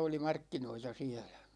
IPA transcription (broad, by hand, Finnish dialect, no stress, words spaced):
oli mɑrkːinoitɑ siɛlæ̥